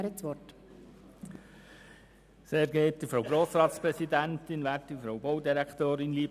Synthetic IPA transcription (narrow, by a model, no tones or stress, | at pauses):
ɾət͡sʋɔt | seːɾɡeːt̚d̥̪əfɾowɡɾoːsɾɑːt̪spɾɛsid̪ænt̪ɪnʋæːɾtdifɾɔwbɔwdiɾækt̪oːɾɪnliːb